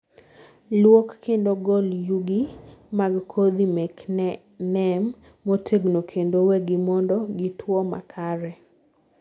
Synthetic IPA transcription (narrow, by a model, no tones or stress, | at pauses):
lwokːendoɡɔljuɡimaɡkʰod̪imɛk | nɛmː | otʰeɡnokʰendowɛɡɪmɔndɔɡitʰwɔma̰kʰaɾɛ